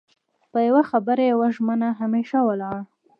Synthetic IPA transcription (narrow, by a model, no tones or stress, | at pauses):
pəjawaxabəɾajawaʒmənaɦameʃawəlɑɽ